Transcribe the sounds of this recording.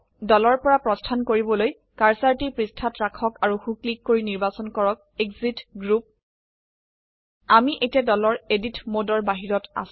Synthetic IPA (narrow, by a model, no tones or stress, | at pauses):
dɔlɔɹpɔɹapɹɔstʰankoɹibɔloj | kaɹsaɹtipɹistʰatɹakʰɔkaɹuxuklikːoɹiniɹbasɔnkɔɹɔk̚ekzitɡɹup̚ | amiʔejtiadɔlɔɹeditmodɔɹbaɦiɹɔta̰s